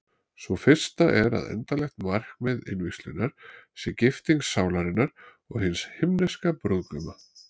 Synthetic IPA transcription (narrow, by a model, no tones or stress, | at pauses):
svɔfɪr̥st̪aʔɛɾa̰ðɛ̰nt̪alɛxt̪mar̥kmɛðɪ̰nvɪslʏnaɾ̥sɛcɪft̪iŋsːaːwlaɾɪnːaɾ̥ | ɔɣhɪnshɪmnɛskapɾʏðkʏma